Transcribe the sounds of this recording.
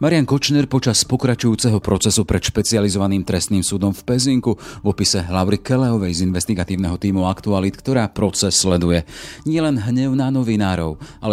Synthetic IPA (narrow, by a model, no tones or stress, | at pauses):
maɾɪaŋkɔt͡ʃnɛɾpɔt͡ʃaspɔkɾat͡ʃujuːt͡sɛɦɔpɾɔt͡sɛsupɾɛt̪ʃpɛt͡sializɔʋaniːmt̪ɾɛst̪niːmsuːd̪ɔmfpɛziŋkuvɔpisɛɦlaʊɾikɛlɛɔʋɛjzinʋɛst̪iɡat̪iːʊnɛɦɔt̪iːmuakt̪ualit̪kt̪ɔɾaːpɾɔt͡sɛsːlɛd̪ujɛɲɪɛlɛnɦɲɛʊnanɔʋinaːɾɔʊʔalɛ